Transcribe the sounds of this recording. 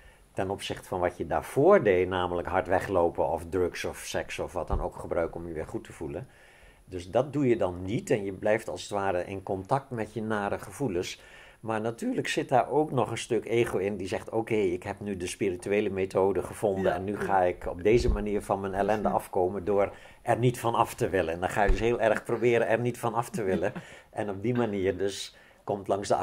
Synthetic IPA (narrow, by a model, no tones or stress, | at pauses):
tɛnɔpsɪχtə̥fɑnʋɑtjəda̰ːɹv̥ʊːɹdejnaːmələkɦɑɹtʋɛχlowpəɔfdrɵksɔfsɛksɔfʋɑt̚dɑnowkχəbrœɥkɔmjəʋɪːɹχutʰəv̥ulən | dɵsdɑt̚dujədɑnːitɛnjəblɛjftɑlˠsətʋaːɾəʔɪ̰nkɔntɑk̚tmɛtjənaːɾəχəv̥uləns | maːɹnatyːrləksɪt̚daːɹowknɔχənstɵkeːχowɪndizɛχtoːkejɪkɦɛpnydəspirityeːləmetoːdəχəv̥ɔndənɛnːyχaːɪkɔb̚dejzəmaniːɹvɑnmənɛlɛndəʔɑfkoːməndʊːr | ɛrnitfɑnɑftəʋɪləndɑnχaːjədɵsɦeːlˠɛrχprobɪːɾənɛrnitfɑnɑftəʋɪləʔɛnɔb̚dimaniːərdɵs | kɔmtlɑŋzdə